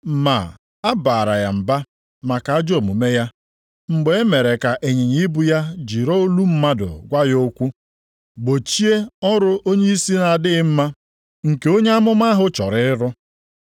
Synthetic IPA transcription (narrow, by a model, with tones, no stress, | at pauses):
ma̰˨ | a˦baː˨ɾa̰˨ja̰˨m̩˨ba˦ | ma˨ka˨a˦d͡ʒo˨mu˨me˦ja˦ | ŋ͡m̩˨ɡ͡be˨e˦me˨ɾe˨ka˨ʔe˨ɲe˨ɲi˦i˦bu˦ja˦d͡ʒi˨ɾo˦lu˦m̩˦ma˦dʊ̰˨ɡʷa˦jo˦kʷu˦ | ɡ͡bo˨t͡ʃi˦e˦ɔ˦ɾʊ˦ʔo˦ɲe˦i˦si˦na˨a˨dɪ˦ɪ˦m̩˦ma˦ | ŋ̩˨ke˨o˦ɲe˦a˦mʊ˦ma˦ɦʊ˦t͡ʃɔ̰˨ɾɪ˦ɪ˦ɾʊ˦